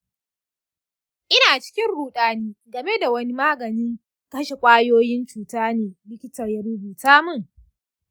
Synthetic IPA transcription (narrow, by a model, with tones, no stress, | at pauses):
ʔɪ˦naː˨t͡ʃɪ̥˦kʲɪ˦nɽuː˨ɗaː˦niː˦ɡɐ˨me˦da˨wɐ˦ni˦maː˦ɡɐ˨nɪ˦ŋ | kɐ˦ʃe˨kʷʼaː˦joː˦jɪ˦nt͡ʃuː˨taː˦neː˨lɪ˦kʲɪ˦tɐ˨jɐ˦ɾʊ˦buː˨taː˦mʊ˦˨ŋ